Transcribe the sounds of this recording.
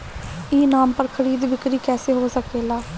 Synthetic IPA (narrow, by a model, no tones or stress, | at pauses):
iːnaːmpəɾkʰəɾiːd̪bɪkɾiːkɛːseːɦoːsəkeːlaː